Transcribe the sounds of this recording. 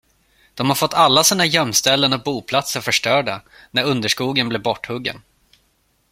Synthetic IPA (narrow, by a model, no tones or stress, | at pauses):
d̪̥ɔmhaɾfɔt̪ːʰalːasiːnajœmst̪ɛlːənɔk̚buːpʰlat̪səɾfœʂʈœːɖanæɾɵnd̪əʂkuːɡənblɛːvbɔʈːhɵɡːə̰n